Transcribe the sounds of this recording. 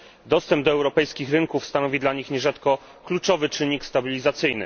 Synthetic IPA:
d̪ɔst̪ɛmbd̪ɔɛwɾɔpɛjskʲixɾɘŋkufst̪anɔvʲid̪laɲixɲɛʐat̪kɔ | klut͡ʂɔvɘt͡ʂɘɲikst̪abʲilʲizat̪sɘjnɘ̰

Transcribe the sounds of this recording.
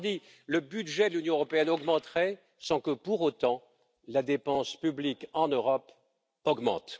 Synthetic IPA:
d̪i | ləbyd̪ʒɛd̪əlynjɔ̃øʁɔpeɛnɔɡmɑ̃t̪χɛ | sɑ̃kəpuʁot̪ɑ̃ | lad̪epɑ̃spyblikɑ̃nøʁɔp | ɔɡmɑ̰̃t̪

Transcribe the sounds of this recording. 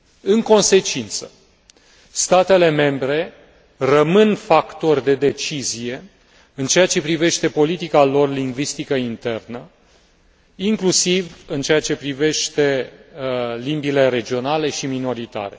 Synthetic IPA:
ɨŋko̞nse̞t͡ʃint̪sə̥ | st̪at̪e̞le̞me̞mbɾe̞ | rəmɨnfakt̪o̞rʲd̪e̞d̪e̞t͡ʃizije̞ | ɨnt͡ʃe̞at͡ʃe̞pɾive̞ʃt̪e̞po̞lit̪ikalo̞rliŋɡvist̪ikəint̪e̞rnə | iŋklusivɨnt͡ʃe̞at͡ʃe̞pɾive̞ʃt̪e̞ | limbile̞ɾe̞d͡ʒio̞nale̞ʃimino̞ɾit̪a̰ɾe̞̰

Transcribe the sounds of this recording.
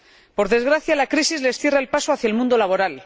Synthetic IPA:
po̞ɾðe̞zɣ̞ɾaθjalakɾisizle̞sθje̞raelpasoaθjaelmũnd̪o̞laβ̞o̞ɾal

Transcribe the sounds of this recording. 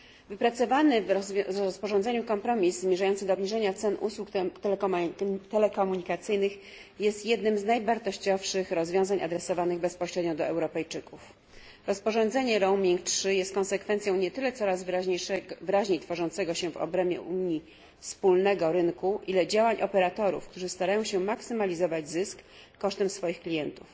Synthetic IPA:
vɘpɾat̪sɔvanɘvɔspɔʐɔ̃nd̪zɛɲukɔmpɾɔmʲizzmʲjɛʐajɔnt̪sɘd̪ɔːbɲiʐɛɲat̪sɛnʔṵswukt̪ɛ | t̪ɛlɛkɔmuɲikat̪sɘjnɘx | jɛst̪jɛd̪nɘmznajvaɾt̪ɔɕt͡ɕɔfʂɘxɾɔzvʲjɔ̃w̃zaɲʔa̰d̪ɾɛsɔvanɘɣbɛspɔɕɾɛd̪ɲɔd̪ɔɛwɾɔpɛjt͡ʂɘkuf | ɾɔspɔʐɔnd̪zɛɲɛɾɔwmʲiŋk̚tʂɘjɛst̪̚kɔ̃nsɛkfɛnt̪sjɔ̃w̃ɲɛt̪ɘlɛt̪sɔɾazv | vɾaʑɲejt̪fɔʐɔnt̪sɛɡɔɕɛvɔ̰bɾɛmʲjɛ̰ʔumɲi | fspulnɛɡɔɾɘŋkuʔilɛd͡ʑawaɲʔɔpɛɾat̪ɔɾṵfkt̪uʐɘst̪aɾajɔ̃w̃ɕɛmaksɘmalʲizɔvad͡ʑzɘskː | ɔʂt̪ɛmsfɔjixklʲijɛnt̪uf

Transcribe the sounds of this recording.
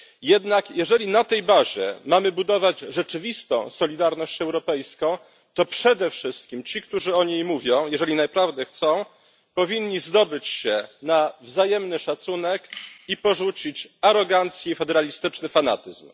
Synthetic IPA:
jɛd̪nakjɛʐɛlʲinat̪ɛjbaʑɛ̰mamɘbud̪ɔvad͡ʑʐɛt͡ʂɘvʲist̪ɔ̰̃w̃sɔlʲid̪aɾnɔɕt͡ɕɛwɾɔpɛjskɔ̃w̃ | t̪ɔpʂɛd̪ɛfʂɘst̪̚kʲimt͡ɕik̚t̪uʐɘɔɲejmuvʲjɔ̃w̃jɛʐɛlʲinapɾavd̪ɛxt̪sɔ̃w̃ | pɔvʲiɲːizd̪ɔbɘt͡ɕɕɛnavzajɛmnɘʂat̪sunɛkipɔʐut͡ɕit͡ɕaɾɔɡant̪sʲjɛifɛd̪ɛɾalʲist̪ɘt͡ʂnɘfanat̪ɘzm

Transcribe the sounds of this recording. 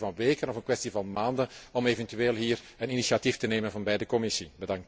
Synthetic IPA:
vɑnʋeːkənɔfənkʋɛstivɑnmaːndənɔmeːvəntyeːlˠɦiːr | əninisatiftəneːmənvɑnbɛjdəkɔmɪsibədɑŋk̚t

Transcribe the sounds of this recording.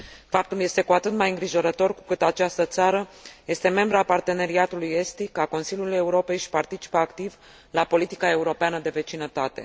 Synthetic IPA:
fap̚t̪ulje̞st̪e̞kuat̪ɨt̪majɨŋɡɾiʒo̞ɾət̪o̞rku̥kɨt̪at͡ʃast̪ət̪saɾəje̞st̪e̞me̞mbɾapart̪e̞ne̞ɾiat̪uluje̞st̪ikako̞nsilʲjuluje̞uɾo̞pe̞jʃpart̪it͡ʃi̥pəakt̪iv | lapo̞lit̪i̥kae̞uɾo̞peanəd̪e̞ve̞t͡ʃinət̪at̪e̞̰

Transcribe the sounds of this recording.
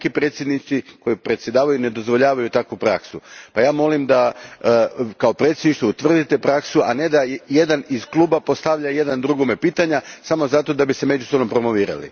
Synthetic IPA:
kipɾe̞t̪sjed̪nit̪siko̞jipɾet̪sje̞d̪aːʋajune̞d̪o̞zʋo̞ʎaːʋajut̪akupɾa̰ksupajaːmo̞limd̪a | kaopɾe̞t̪sʲjed̪niʃt̪out̪ʋr̩d̪it̪e̞pɾaksuane̞d̪aje̞d̪anizklˠuːbapo̞st̪aʋʎaje̞d̪and̪ɾuɡome̞piːt̪aɲasamo̞zat̪o̞d̪abise̞me̞d͡ʒusobnompɾo̞mo̞ʋiːɾa̰lḭ

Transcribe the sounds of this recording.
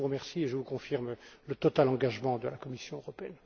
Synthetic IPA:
uʁəmɛʁsieʒəvukɔ̃fiʁmlət̪ɔt̪alɑ̃ɡaʒmɑ̃d̪əlakɔmisjɔ̃øʁɔpeɛn

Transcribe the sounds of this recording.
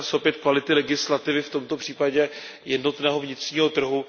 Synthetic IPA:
sopjɛt̪kvalɪt̪ɪlɛɡɪslat̪ɪvɪft̪o̞mt̪o̞pr̥iːpaɟɛ | jɛdno̞t̪nɛːɦovɲɪt̪r̝̥ɲiːɦo̞t̪r̩ɦu

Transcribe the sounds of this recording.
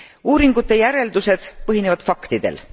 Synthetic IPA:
uːɾiŋɡ̥ut̪ːˑe̞jæɾe̞ld̪̥use̞d̪̥pɤɦinevɑd̪̥fɑkt̪id̪̥e̞̰l

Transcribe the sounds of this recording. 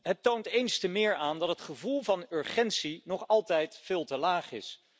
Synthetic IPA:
ɦətːowntejnstəmɪːɹaːndɑtɦətχəvulˠvɑnʏɹχɛntsinɔχɑlˠtɛjtfɪːlˠtəlaːχɪ̰s

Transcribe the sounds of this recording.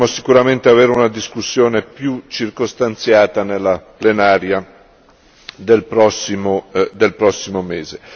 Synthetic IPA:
mosikuɾament̪eaveːɾeunad̪iskusːjoːnepjut͡ʃirkost̪ant̪sjaːt̪anelːaplenaːɾja | d̪elpɾɔsːimod̪elpɾɔsːimomeːze

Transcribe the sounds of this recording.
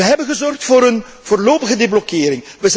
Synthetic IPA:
əɦɛbənɣəzɔrxtfʊːɾən | v̥oːrloːpəɣədeblɔkɪːɾɪŋʋəz

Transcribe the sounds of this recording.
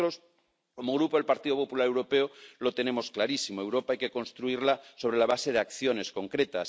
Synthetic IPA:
ɾos | komoɣ̞ɾupoðelpaɾt̪iðopo̞pulaɾewɾo̞peolo̞t̪e̞ne̞mo̞sklaɾisimoe̞wɾo̞paajke̞ko̞nst̪ɾuiɾlasoβɾe̞laβase̞ðeakθjo̞ne̞sko̞ŋkɾe̞t̪as

